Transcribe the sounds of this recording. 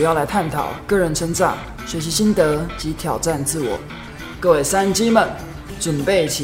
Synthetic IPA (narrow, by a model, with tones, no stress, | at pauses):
jɑ˥˩ʊla˧˥ɪt̪ʰa˥˩nt̪ʰɑ̰˨˩˦ʊkɤ˥˩ɻə˧˥nʈ͡ʂʰə˥ŋt͡sɑ̰˥˩ŋ | ɕɥɛ˧˥ɕi˧˥ɕi˥nt̪ɤ˧˥t͡ɕi˧˥t̪ʰjɑ˨˩ʊʈ͡ʂa˥˧nt͡sɹ̩˥˩wɔ̰˨˩˦ | kɤ˥˧we˥˩ɪsa˥nt͡ɕi˥mə˨n | ʈ͡ʂə˨˩npe˥˩ɪt͡ɕʰ